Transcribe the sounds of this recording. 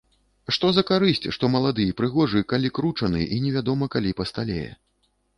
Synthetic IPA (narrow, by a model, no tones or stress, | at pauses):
ʂt̪ɔzɐkaɾɨsʲt͡sʲʂt̪ɔmɐlˠad̪ɨjɛpɾɨɣɔʐɨkalʲikɾut͡ʂɐnɨʔinʲɛvʲad̪ɔmɐkalʲipɐst̪alʲḛjɛ̰